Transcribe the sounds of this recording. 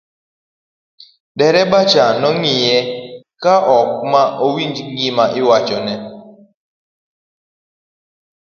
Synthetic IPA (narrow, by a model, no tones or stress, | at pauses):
dɛɾɛbat͡ʃanɔŋɪjɛkaʔɔk̚maʔowiɲd͡ʒŋɡimaʔɪwat͡ʃɔnɛ